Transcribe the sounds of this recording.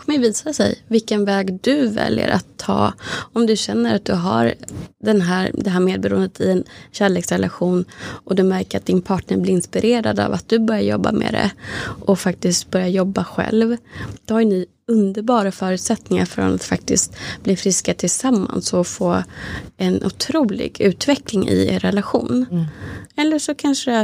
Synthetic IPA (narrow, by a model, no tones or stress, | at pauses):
kʰɔmːəjviːsasɛ̰jvɪlkənvɛːɡd̪ɵvɛ̰ljə̰ɾʔa̰t̪ʰːɑːɔmd̪ɵɕɛnːəɾat̪̚d̪ɵɦa̰ɾd̪ɛnɦæːɾd̪ɛɦæːɾmeːd̪̚bɛɾuːənd̪ət̪ʰɪɛnɕæːɭeːksɾɛlʔaɧuːnʔɔd̪ɵmæɾkəat̪̚d̪ɪnpʰɑːʈɳəɾblɪɾɪnspɪɾʔeːɾad̪a̰vat̪̚d̪̥ɵbœɾjajɔ̰bːa̰mɛ̰ːd̪ɛ̰ʔɔfak̚t̪ɪst̪̚bœɾjajɔbːaɧɛ̰lvd̪̥ɔhaɾjni | ɵnd̪əɾbɑːɾafœːɾʉ̟t̪sɛt̪nɪŋa̰ɾfɾɔ̰na̰t̪fak̚t̪ɪst̪bliːfɾɪskat̪ʰɪlsamːa̰nsɔfoːɛnʔʊ̰t̪ʰɾuːlɪ̰ɡʉ̟ːt̪vɛklɪŋɪ̰ḛɾɛlaɧṵːn | ɛlːəʂɔkʰanʂəə